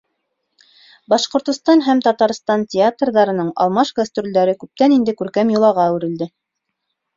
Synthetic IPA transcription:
bɑʃqŏɾt̪ŏst̪ɑnɦæmt̪ɑt̪ɑɾst̪ɑntʲɪat̪rðɑɾɤ̆nɤɴɑ̰lˠmɑʃɡast̪rʲuld̪æɾɘkʉp̚t̪ænind̪ɘkʉɾkæmjŏlˠɑʁɑwɘ̆ɾɘ̆ld̪ɘ

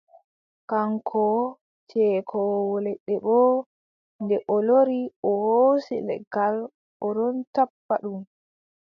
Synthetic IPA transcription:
kaŋkʰɔ | t͡ʃɛkʰɔwɔlɛɗːɛɓɔ | ndɛʔɔloɾiɔhosilɛ̰ɡal | ɔɾɔntapːa̰ɗum

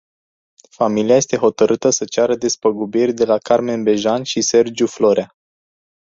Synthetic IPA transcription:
familiaje̞st̪e̞ɦo̞t̪əɾɨt̪əsət͡ʃaɾəd̪e̞spəɡubirʲd̪e̞lakarme̞nbe̞ʒanʃise̞rd͡ʒuflo̞ɾea

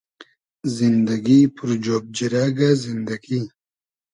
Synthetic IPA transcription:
zind̪ɐɡipʰuɾd͡ʒoːb̚d͡ʑiɾaɡazind̪ɐɡi

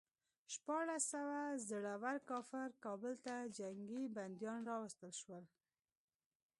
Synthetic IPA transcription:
ʃpɑɽasawazəɽawaɾkɑfɪɾkɑbəlt̪ad͡ʒaŋɡiband̪jɑnɾɑwast̪əlʃwəl

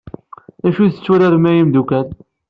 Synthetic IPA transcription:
æʃuθə̥t͡sːuɾæɾmæjimd̪ukæl

